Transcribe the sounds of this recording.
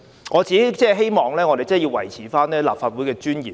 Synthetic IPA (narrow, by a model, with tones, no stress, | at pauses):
ŋɔː˨˧t͡siː˨ke˦˥t͡sɛː˥ɦe˥jmɔː˨ŋlɛː˥ŋɔː˨˧ɾe˨jt͡sjiː˧wɐ˨˩jt͡sʰiː˨˥faː˥nːɛː˥laː˨p̚faː˧t̚wuː˨˥jkɛː˧t͡ʃyː˥njiː˨˩